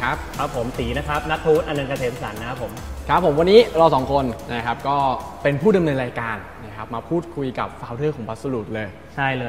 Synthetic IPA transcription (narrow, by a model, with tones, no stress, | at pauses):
kʰa˦˥p̚kʰɾa˦˥pʰːo˩˦msiː˩˦na˦˥kʰɾa˦˥p̚na˦˥t̚t̪ʰːuː˦˥nʔa˧na˧nka˧t̪ʰeː˩˦msa˨˩˦nːa˦˥pʰːo˩˦mkʰa˦˥pʰːo˩˦mwa˧nːiː˦˥ɾaː˧wsɔː˩˦ŋkʰo˧nna˦˥kʰa˦˥p̚kɔː˥˩pe˧npʰuː˥˩da˧mnɤː˧nɾaː˧jkaː˧nːa˦˥kʰa˦˥p̚maː˧pʰuː˥˩t̪̚kʰu˧jka̰˨˩p̚faː˧˥wɾɤː˥˩kɔː˩˦mpʰa˦˥t̪̚sa˧luː˨˩t̪̚lɤː˧j | t͡ɕʰa˥˩jlɤː˧